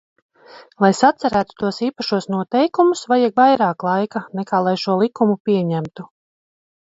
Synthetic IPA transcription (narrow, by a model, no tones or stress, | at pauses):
lˠajsat̪sɛɾæːt̪u̥t̪uɔsiːpaʃuɔsnuɔt̪ɛjkumusvajikvajɾaːklˠajkanɛkaːlˠajʃuɔlˠikumupiɛɲæmt̪u